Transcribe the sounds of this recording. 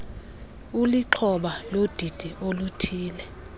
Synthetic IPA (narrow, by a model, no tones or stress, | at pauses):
uliǃʰɔɓalod̥ʱid̥ʱiʔolutʰiːlɛ